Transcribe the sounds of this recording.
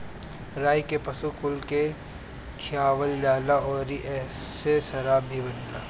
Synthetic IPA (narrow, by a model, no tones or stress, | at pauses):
ɾaːikepɐsukʊlke | kʰjaːʋəljaːlaʔɔːɾiʔɛːsesɐɾabʱibɐnla̰ː